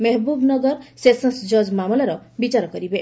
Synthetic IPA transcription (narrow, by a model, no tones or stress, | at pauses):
meɦbubnʌɡʌɾsesʌnsd͡zʌd͡zmamɔlaɾʌbit͡ʃaɾɔkʌɾibe